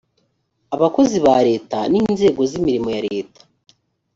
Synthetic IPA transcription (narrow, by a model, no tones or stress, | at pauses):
aβako̞ziβaɾe̞ːtaniːnze̞ːɡo̞zimiɾimo̞jaɾeːtḁ